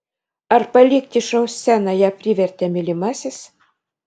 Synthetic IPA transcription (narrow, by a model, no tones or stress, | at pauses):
ɐrpɐlʲik̚t̪ʲiʃowsːʲænɑjɑpʲrʲiʋʲɛrʲt̪ʲæmʲilʲimɑsʲes